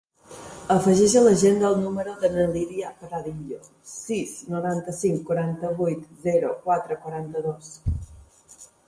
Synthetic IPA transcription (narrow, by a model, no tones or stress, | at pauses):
əfəʒɛʒələʒend̪əːlˠnuməɾoðənəliðiəpɾaðiʎo | siznuɾant̪əsiŋkːuɾant̪əβujt̪zɛɾukwat̪ɾəkwəɾant̪əðos